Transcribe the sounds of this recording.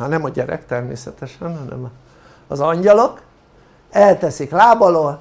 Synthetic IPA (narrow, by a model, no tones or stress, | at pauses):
hɒnɛmɒɟɛɾɛ̰kt̪ɛrmḛːsɛt̪ɛʃɛnɦɒnɛ̰mɒː | zɒɲɟɒlok | ɛlt̪ɛsiklaːbɒlol